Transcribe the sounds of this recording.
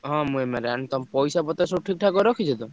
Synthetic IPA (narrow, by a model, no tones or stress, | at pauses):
ɦɔ̃mũemeɾnt̪ɔmpɔjsapɔt̪esuʈʰik̚ʈʰakɔɾɔkʰit͡ʃʰɔt̪ɔ